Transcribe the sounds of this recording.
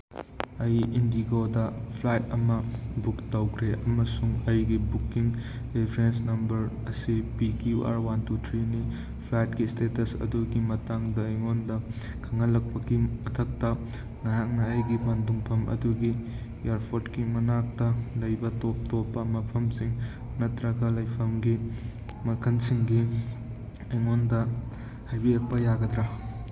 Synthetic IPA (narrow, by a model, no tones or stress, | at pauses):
ɐjindiɡodɐpʰlajtɐmɐbuktɐwkʰɾeʔɐmɐsuŋɐjɡibukːiŋ | ɾipʰɾensnɐmbɐɾ | ɐsipikiuʔa̰ɾwantutʰɾini | pʰlajtkistetɐsɐ̰duɡimɐtaŋdɐiŋondɐ | kʰɐŋɐlɐk̚pɐɡimɐtʰɐk̚tɐ | naɦak̚nɐːjɡipanduŋpʰɐmɐ̰duɡi | jaɾpʰoɾtkimɐnak̚tɐlɐjbɐtop̚topːɐmɐpʰɐmsiŋ | nɐtɾɐɡɐlɐjpʰɐmɡi | mɐkʰɐnsiŋɡi | ɐjŋondɐ | hajbilɐk̚pɐjaɡɐd̪ɾa